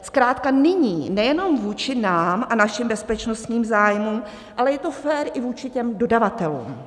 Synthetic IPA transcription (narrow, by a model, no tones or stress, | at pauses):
skɾaːt̪kanɪɲiːnɛjɛno̞mvuːt͡ʃɪnaːmʔanaʃɪmbɛspɛt͡ʃnost̪ɲiːmzaːjmum | ʔalɛjɛt̪o̞fɛːɾʔɪvuːt͡ʃɪcɛmdo̞davat̪ɛlṵːm